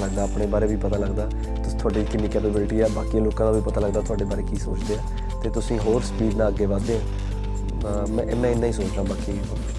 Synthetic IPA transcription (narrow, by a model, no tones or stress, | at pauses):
ləɡd̪aːpɽeːbaːɾeːbʱiːpət̪aːləɡd̪aː | t̪ʊ̥̃ːt̪ʰoaːɖiːkɪnːiːkɛːpeːbɪlʈiːɛːbaːkĩːloːkãːd̪aːbiːpət̪aːləɡd̪aːt̪ʊaːɖeːbaːɾeːkiːsoːt͡ʃd̪eːãː | t̪eːt̪ʊsĩːɦoːɾspiːɖnãːəɡeːʋaːd̪eːãː | mɛ̃ːʔɪmɛ̃ːɪnãːĩːsoːt͡ʃd̪ãːbaːkiː